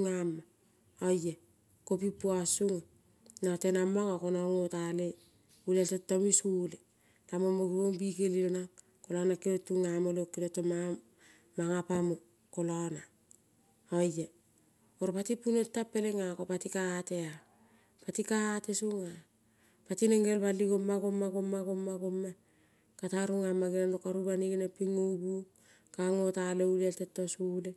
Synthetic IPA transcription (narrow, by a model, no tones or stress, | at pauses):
uŋama | oje | kopipuasuŋ | natenamːaŋakonoŋotale | ulatetːomisule | tamomoɡuoŋbikelilonaŋ | kolanakeotːuŋamolokːitotːoma | maŋapamo | kolona | oje | oɾpatipunetːapːe̞leŋakopatikatea | patikaːtesuŋa | patineŋɡelbaliɡomːaɡomːaɡomːaɡomːaɡomːa | kataɾuŋamaɡenanokaɾubaniɡenepiŋubu | kaŋotaleuleeltetːosule